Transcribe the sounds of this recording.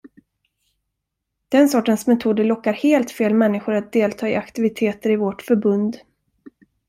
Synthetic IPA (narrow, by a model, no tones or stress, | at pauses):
d̪̥ɛnsɔʈːənsmɛt̪ʰuːd̪əlɔkːaɾheːlt̪feːlmɛnːɪɧʊɾat̪̚d̪eːlt̪ʰɑːɪakt̪ɪvɪt̪ʰeːt̪əɾɪvɔʈfœɾbɵnd̪